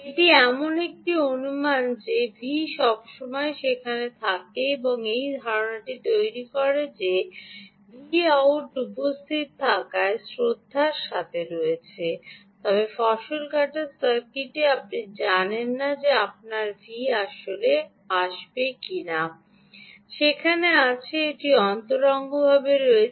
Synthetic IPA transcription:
eʈiɛmonek̚ʈionumand͡ʑebʱiʃɔbʃomɔeʃekʰanet̪ʰakeeboŋejd̪ʱaɾonaʈit̪ojɾikɔɾed͡ʑe | bʱiauʈupost̪ʰit̪̚t̪ʰːakaesɾod̪ʱːaɾʃat̪ʰeɾoet͡ɕʰe | t̪ɔbefɔʃolkaʈaɾsaɾkiʈeap̚nid͡ʑanenːad͡ʑeap̚naɾviaʃole | aʃbekina | ʃekʰaneat͡ɕʰeeʈiɔnt̪oɾɔŋɡobʱabeɾoe

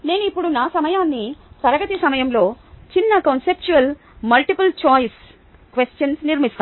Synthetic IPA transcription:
ne̞ːnuipːuɽunaːsɐmɐjaːnːisɐɾɐɡɐt̪isɐmɐjɐmlo̞ːt͡ʃinːɐkonsep̚t͡ʃuʋɐl | mɐlʈipɐlt͡ʃaːjs | kʋesʈjɐnsniɾmist̪aː

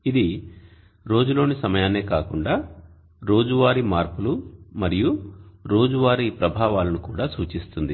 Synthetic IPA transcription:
id̪i | ɾo̞ːd͡ʒulo̞ːnisɐmɐjaːne̞ːkaːkuɳɖaː | ɾo̞ːd͡ʒuʋaːɾimaːɾpulumɐɾijuɾo̞ːd͡ʒuʋaːɾipɾɐbʱaːʋaːlɐnukuːɽaːsuːt͡ʃist̪und̪i

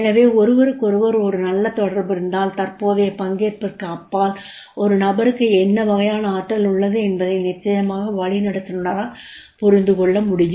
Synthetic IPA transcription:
ɛnɐʋeːɔɾɯʋɐɾɯkːɔɾɯʋɐɾɔɾɯnɐlːɐt̪ːɔɽɐɾbɪɾɯnd̪aːlt̪ɐrpoːðɐjɐpɐŋɡeːɾpɯkːɐpːaːl | ɔɾɯnɐbɐɾɯkːɯɛnːɐʋɐɣɐjaːnɐaːʈːɐlʊɭːɐðɯɛnbɐðɐɪnɪt͡ʃːɐjɐmaːɣɐʋɐɭɪnɐɽɐt̪ːɯnɯnaɾaːpɔɾɪnd̪ɯkɔɭːɐmʊɽɪjɯ

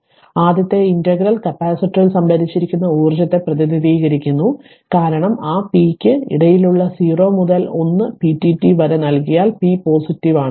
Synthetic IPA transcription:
aːd̪jɐt̪ːe̞indɐɡɾɐlkɐpːaːsiʈːiilsɐmbʱɐɾit͡ɕːiɾikʲːunːɐuːrd͡ʑɐt̪ːe̞prɐðiniðiːɣɐɾikʲːunːu | kaːɾɐɳɐmaːpiːkʲːɨḭɽɐjiluɭːɐsiːro̞ːmuðɐlo̞nːɨpitːitːiʋɐɾɐnɐlkijaːlpipo̞ːsitːiʋaːɳɨ

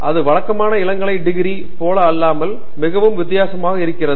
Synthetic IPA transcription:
ʔɐðɯʋɐɭɐkːɐmaːnɐɪɭɐŋɡɐɭɐɪɖɪɣɪɾi | poːlɐːlːaːmɐl | mɪɣɐʋɯmʋɪt̪̬ːɪjaːsɐmaːɣɐɪɾɯkːɪrɐðɯ

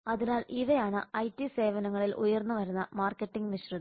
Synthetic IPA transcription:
ɐðinaːlʔiʋejaːɳɨɐjtːise̞ːʋɐnɐŋːɐɭilʔujɐrnːuʋɐɾunːɐmaːrkːetːiŋɡniɕruðɐ

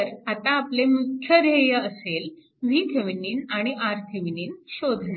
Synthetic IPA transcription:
əɾat̪ãːplemukʰjəɾeɦjəəsel | ʋiːkʰeʋiniːnaɽ̃iʔaɾkʰeʋiniːnɕod̪ʱna

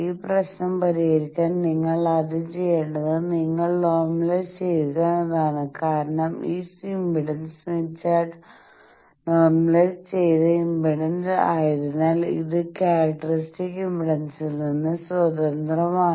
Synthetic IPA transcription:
iːprɐɕnɐmpɐɾiɣɐɾikʲːaːnniŋːɐɭɐðit͡ɕe̞jːeɳɖɐðɨniŋːɐɭno̞ːrmɐlest͡ɕe̞jtukːanɐðaːɳɨkaːɾɐɳɐmiːsimbiɽɐnsmit͡ɕːaːɖ | noːrmɐlest͡ɕe̞jt̪ɨimbiɽɐnsaːjiɾunːaːlḭðɨkːaːɾɐk̚ʈːɐristikːimbiɽɐnsilninːɨswɐd̪ɐnd̪rɐmaː

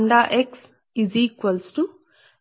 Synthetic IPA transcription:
ɳɖaːʔeks | izikʋɐlsʈu

